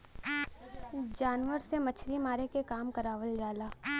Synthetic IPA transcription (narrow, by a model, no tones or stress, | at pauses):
d͡ʒaːnʋəɾsemɐt͡ʃʰɾimaːɾekekaːmkɐɾaːʋəld͡ʒaːlaː